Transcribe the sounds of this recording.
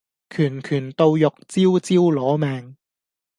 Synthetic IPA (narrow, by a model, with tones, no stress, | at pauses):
kʰyː˨˩nkʰyː˨˩nt̪o˧wjʊ˨k̚t͡siː˥wt͡siː˥wlɔː˨˥mɛː˨˧ŋ